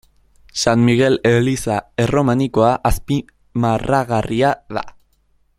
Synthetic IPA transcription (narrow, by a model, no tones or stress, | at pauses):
sanmiɣe̞le̞lisae̞ro̞maniko̞aʔaspi | maraɣariaða̰